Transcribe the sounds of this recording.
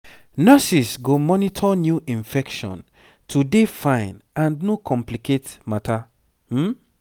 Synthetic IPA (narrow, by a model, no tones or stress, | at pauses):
nɜsisɡomɔnitʰɔnjuʔĩnfɛkʃɔ̰̃n | tʰudefãɪ̃nãndnokʰɔ̃mplikʰetmatʰa | m̩